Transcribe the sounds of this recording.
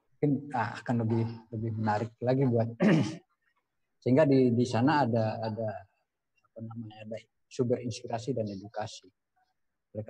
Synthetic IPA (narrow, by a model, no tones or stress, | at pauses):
muŋkɪnəa̰kanləbɪhləbɪhmənaɾɪk̚laɡibuat̪̚ | səɦiŋɡadidisanaːdaːdaː | panamaɲaːda | subəɾinspiɾasidanedukasi | məɾeka